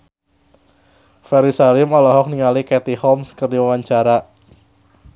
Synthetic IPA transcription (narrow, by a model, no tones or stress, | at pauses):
fɛɾisalɪmɔlɔɦɔk̚niŋalikɛt̪ihɔmskərdiwawaɲt͡ʃaɾa